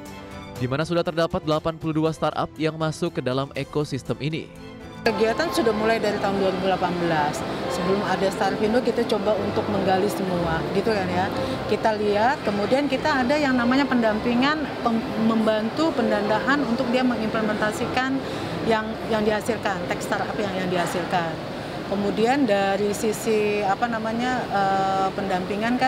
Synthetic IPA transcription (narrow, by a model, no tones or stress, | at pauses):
dimanasudaht̪ərdapat̪̚dəlapanpuluduast̪ara̰p̚jaŋmasʊkːədalamekosist̪əminḭ | kəɡiat̪ansudahmulajdaɾit̪aɦʊnduaɾibulapanbəlasːəbəlʊmadast̪aɾfindokit̪at͡ʃobaunt̪ʊk̚məŋɡalisəmuaɡit̪ukanja | kit̪aliɦat̪̚kəmudiankit̪aːdajaŋnamaɲapəndampiŋanpəməmbant̪upəndand̪aɦanunt̪ʊk̚diaməŋimpləmɛnt̪asikan | jaŋ | jaŋdiɦasilkant̪ɛkst̪arapajaŋjaŋdiɦasilkan | kəmudiandaɾisisiapanamaɲaəpəndampiŋanka